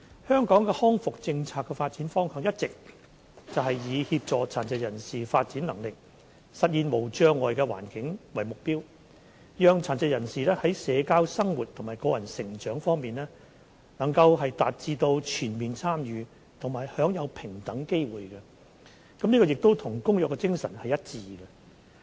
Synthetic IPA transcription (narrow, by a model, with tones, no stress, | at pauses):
hœː˥ŋkɔː˨˥ŋkɛː˧hɔː˥ŋfʊ˨k̚t͡sɪ˧ŋt͡sʰaː˧kːɛ˧faː˧t̚t͡siː˨˥nfɔː˥ŋhœː˨˧ŋjɐ˥t̚t͡sɪ˨k̚ | t͡sɐ˨wɦɐ˨jjiː˨˧hiː˧p̚t͡ʃɔː˨t͡sʰaː˨˩nt͡sɐ˨˧jɐ˨˩nsiː˨faː˧t̚t͡siː˨˥nlɐ˨˩ŋlɪ˨k̚ | sɐ˨t̚jiː˨nmo˨˩wt͡ʃœː˧ŋɔː˨jkɛː˧wa̰ː˨˩nkɪ˨˥ŋwɐ˨˩jmʊ˨k̚piː˥w | jœː˨ŋt͡sʰaː˨˩nt͡sɛ˨˧jɐ˨˩nsiː˨lɛː˥hɐ˨˥jsɛː˨˧kaː˥wsɐ˥ŋwuː˨˩t̚t̪ʰʊ˨˩ŋmaː˨jkɔː˧jɐ˨˩nsɪ˨˩ŋt͡ʃœː˨˥ŋfɔː˥ŋmiː˨nlɛː˥ | nɐ˨˩ŋkɐ˧wɦɐ˨jt̪aː˨t̚t͡siː˧t̪o˧wt͡ʃʰyː˨˩nmiː˨nt͡sʰaː˥mjyː˨˧ | t̪ʰʊ˨˩ŋmaː˨jhœː˨˥ŋjɐ˨˧wpʰɪ˨˩ŋt̪ɐ˨˥ŋke˥jwuː˨jkɛ˧ | kɐ˨˥mniː˥kɔː˧jɪ˨k̚t̪o˥wt̪ʰʊ˨˩ŋkʊ˥ŋjœː˨˧kːɛ˧t͡sɪ˥ŋsɐ˨˩nhɐ˨jɐ˥t̚t͡siː˨ɡɛ˧